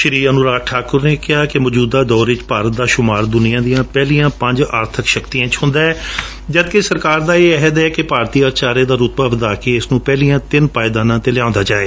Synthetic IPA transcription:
ʃɾiːənʊɾaːʈʰaːkʊɾneːkɪɦaːkɪmɔːd͡ʒuːd̪aːd̪ɔːɾɪt͡ʃpaːɾət̪̚d̪aːʃʊmaːɾd̪ʊnɪjãːd̪ijãːpɛːlijãːpə̃ɲd͡ʒa̰ːɾt̪ʰəkʃəkt̪iãːt͡ʃɦʊ̃nd̪aːɛː | d͡ʒəd̪kesəɾkaːɾd̪aːeːɛɦəd̪ɛːkɪpaːɾt̪iːəːɾt͡ʃaːɾeːd̪aːɾʊt̪baːʋəd̪aːkeːɪsnũːpɛːliːãːt̪ɪnpaːɪd̪ãːnãːt̪eːlɪjãːʊ̃ːnd̪aːd͡ʒaːeː

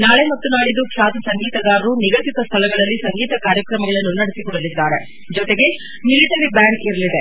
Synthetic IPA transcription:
naːɭemɐt̪ːunaːɽid̪ukʰaːt̪ɐsɐŋɡiːt̪ɐɡ̪aːɾɾuniɡɐtit̪ɐst̪ʰɐlɐɡɐɭɐlːisɐŋɡiːt̪ɐkaːɾjɐkɾɐmɐɡɐɭɐnːunɐɽesikɔɽɐlid̪ːaːɾe̞ | d͡ʒɔt̪eɡe̞ | miliʈɐɾibjaːɳɡiɾɐlid̪e

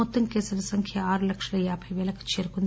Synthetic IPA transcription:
ɔt̪ːɐmkeːsɐlɐsɐŋkʰjɐaːɾulɐkʂɐlɐjaːpʰɐjʋeːlɐku̥t͡ʃeːɾukond̪

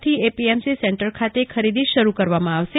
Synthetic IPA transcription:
t̪ʰiepiemsisɛɳʈəɾkʰat̪ekʰəɾid̪iʃəɾukəɾʋamãaʋʃe

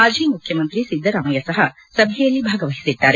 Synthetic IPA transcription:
aːd͡ʒiːjmukʰjɐmɐnt̪ɾisid̪ʱːɐɾaːmɐjɐsɐɦɐ | sɐbʱɛjɐlːibʱaːɡɐʋɐɦisid̪ːaːɾe

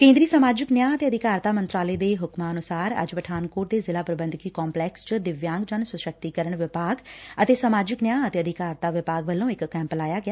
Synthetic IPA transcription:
kẽːnd̪ɾiːsəmaːd͡ʒɪknjaːət̪eːəd̪ʱɪkaːɾt̪aːmənt̪ɾaːleːd̪eːɦʊkmaːənʊsaːɾə̰d͡ʒʋəʈʰaːnkoːʈ̚d̪eːzɪlaːpɾəbənd̪ʱkiːkɔːmplɛːkst͡ʃəd̪ɪʋjãːŋɡd͡ʒənsʊʃək̚t̪iːkəɾəɳʋɪpaːɡət̪eːsəmaːd͡ʒɪknjãːət̪eːəd̪ɪkaːɾt̪aːʋɪpaːɡʋəlːõːɪkːɛ̃ːmpəlaːjaːɡɪaː

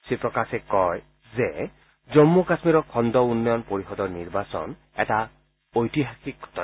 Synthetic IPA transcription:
sipɹɔkasɛkɔj | zɛ | zɔmːukasmiɹɔkʰɔndɔunːɔjɔnpoɹixɔdɔɹniɹbasɔ̰n | ɛ̰ta | ojtiɦaxik̚ɡʱɔ̥tɔn

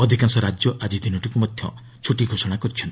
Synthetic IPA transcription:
ɔd̪ʱikansɔɾad͡ʒjɔʔad͡ʒid̪ʱinɔʈikumɔd̪ʱjɔ̰ | t͡ʃʰuʈiɡʱosɔɽ̃akɔɾit͡ʃʰɔnt̪i

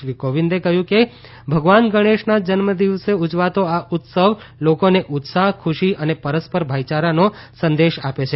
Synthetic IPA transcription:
ʋikoʋind̪ekəɦjũke | bʱəɡʋanɡəɽ̃eʃnad͡ʒənməd̪iʋseud͡ʒʋat̪oaʔʊt̪səʋ | lokoneʔʊt̪saɦkʰuʃiənepəɾəspəɾbʱajt͡ʃaɾanosə̃nd̪eʃapet͡ʃʰe

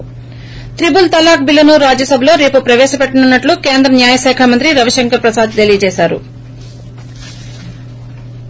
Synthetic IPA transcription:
t̪ɾibult̪ɐlaːk̚bilːɐnuɾaːd͡ʒjɐsɐbʱɐlo̞ːɾe̞ːpupɾɐʋɛːʃɐpeʈːɐnunːɐʈlukeːnd̪ɾɐmnjaːjɐʃaːkʰamɐnt̪ɾiɾɐʋɐʃɐŋkɐɾpɾɐsaːd̪̚d̪elijɐt͡ʃeːʃaːɾṵ

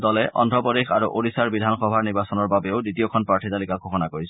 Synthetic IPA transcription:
dɔlɛʔɔ̰ndʱɔpɔdexaɹuʔodisaɹbidʱanxɔbʱaɹniɹbasɔnɔɹbabeʊditiɔkʰɔnpɹaɹtʰit̪alikaɡʱɔxɔnakoɹis

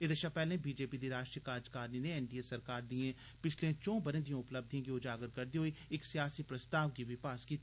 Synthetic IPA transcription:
ɪd̪əʃapɛːlẽbiːd͡ʒeːpid̪iɾaːʃʈɾijəkaːd͡ʒkaːɾnineɛːnɖiesɐɾkaːɾd̪iẽ | pɪt͡ʃʰlẽt͡ʃɔ̃ːbənẽd̪ijõʊpləb̚d̪ʱj̃k̬iʊd͡ʒaːɡəɾkɐɾd̪iɦoiɪksijaːsipɾɐst̪aːʋkiʋɪpaːskiː

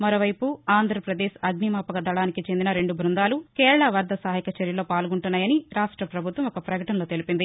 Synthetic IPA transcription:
mɐɾo̞ːʋɐjpuaːnd̪ʱɾɐpɾɐd̪eːʃɐɡnimaːpɐɡɐd̪ɐɭaːnikit͡ʃend̪inɐɾe̞ɳɖubʱɾund̪aːlukɛːɾɐɭaʋɐɾd̪ʱɐsaːɦikɐt͡ʃɐɾjɐloːpaːlɡuɳʈunːaːjɐniɾaːʂʈɾɐpɾɐbʱut̪ʋɐmɔkɐpɾɐɡɐʈɐnlo̞ːt̪e̞lipind̪i

